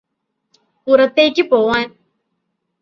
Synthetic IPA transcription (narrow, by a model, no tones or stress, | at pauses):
uɾɐt̪ːekipowan